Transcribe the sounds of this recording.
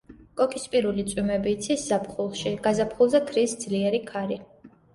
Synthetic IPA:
kʼɔkʰispʼiɾulit̪sʼwimɛbiːt̪sʰisz̥apχulˠʃiɡ̥azapʰχulˠzɛkʰɾisd̪zliɛɾikʰaɾi

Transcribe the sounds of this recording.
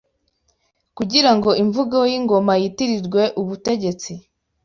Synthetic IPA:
kuɟiɾaŋɡo̞iɱvuɡajiŋɡo̞majitiɾiɾɡwe̞ʔuβute̞ɟe̞t͡si

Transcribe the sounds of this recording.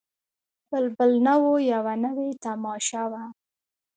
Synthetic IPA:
bəlbəlnawojawanəwet̪amɑʃawa

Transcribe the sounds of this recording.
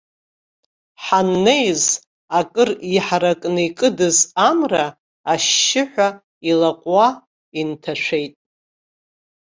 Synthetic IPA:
ħanːejz | akʼɨriħaɾakʼnɨikʼɨdɨzamraː | ʃːɪħʷᶣa | ilaqʷʼwa | intʰaʂʷe̞jtʼ

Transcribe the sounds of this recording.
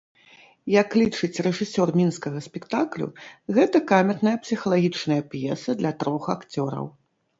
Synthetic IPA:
jɐklʲit͡ʂɨt͡sʲrɛʐɨsʲɔrmʲinskɐɣɐsʲpʲɛkt̪aklʲṵɣɛt̪ɐkamʲɛt̪nɐjɐpsʲixɐlˠaɣʲit͡ʂnɐjɐpjɛsɐd̪lʲɐt̪ɾɔxakt͡sʲɔɾɐ̰w

